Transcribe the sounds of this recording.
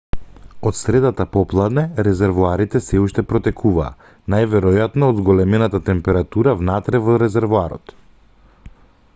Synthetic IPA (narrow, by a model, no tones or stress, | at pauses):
ɔt̪sɾɛd̪at̪apɔplˠad̪nɛɾɛzɛɾvuaɾit̪ɛsɛuʃt̪ɛpɾɔt̪ɛkʰuva̰ː | najvɛɾɔjat̪nɔːd̪zɡɔlɛmɛnat̪at̪ɛmpɛɾat̪uɾavnat̪ɾɛvɔɾɛzɛɾvuaɾɔ̰t̪